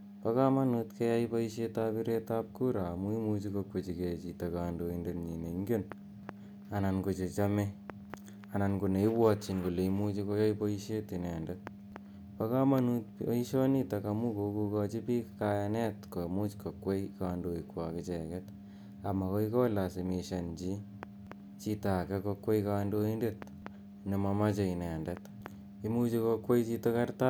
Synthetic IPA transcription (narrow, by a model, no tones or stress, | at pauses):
pakamanutkejaipoiʃetapiɾetap̚kuɾamuimut͡ʃikokwet͡ʃiket͡ʃitakaːndoindetɲineŋɡen | anankot͡ʃet͡ʃame | anankuneiwwɔt͡ʃinkuleimut͡ʃikojaipoiʃetinɛndo | pakamanut̚oiʃɔnitakamukokukɔt͡ʃipikajanɛtkomut͡ʃkokwejkandoikwa̰kɪt͡ʃɛkɛt | amakoikɔlasemiʃant͡ʃi | t͡ʃitakɛkokwejkandoindet̚ | nemamat͡ʃeinɛndɐt | imut͡ʃikokwejt͡ʃitokarta